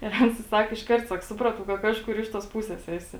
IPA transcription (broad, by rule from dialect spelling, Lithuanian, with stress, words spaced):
ɪr ˈɐns ɪ ˈsɐk ɪʃˈkɐrt ˈsɐk ˈsʊprɐtɐʊ kɐ ˈkɑːʃkʊr ˈɪʃ tuɔs ˈpuːsʲɛs ˈæːsʲɪ